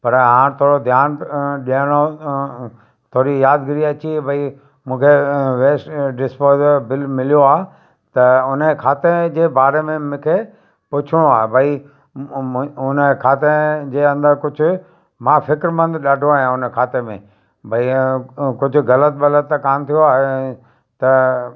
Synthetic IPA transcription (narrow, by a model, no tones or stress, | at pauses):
pɐɾɦãːt̪ʰoːɾod̪ʱjaːnɗiəɽ̃o | t̪ʰoːɾijaːd̪ɡɪɾiɐt͡ɕibʱɐi | mũːkʰeʋeːsʈɖɪspoːd̪bɪlmɪlijoaːɦ | t̪ɐʊnəkʰaːt̪ed͡ʑeːbaːɾemẽmũːkʰe | pʊt͡ɕʰũaːɦebʱɐi | ʊnəkʰaːt̪ed͡ʑeːɐ̃nd̪əɾkʊd͡ʑʱʊ̆ | mãːfɪkɾmə̃nd̪ɗaːɖʱoaːɦijãʊnkʰaːt̪emẽ | bʱɐikʊd͡ʑʱʊ̆ɣɐlət̪̚bɐlət̪ːɐkaːmt̪ʰijoaːɦe | t̪ɐ